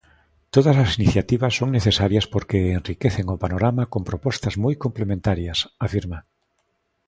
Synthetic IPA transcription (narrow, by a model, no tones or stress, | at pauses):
t̪oðasasiniθjat̪iβasːoŋneθesaɾjaspoɾkeenrikeθeŋopanoɾamakompɾopɔst̪ɐzmojkomplemẽnt̪aɾjasafiɾma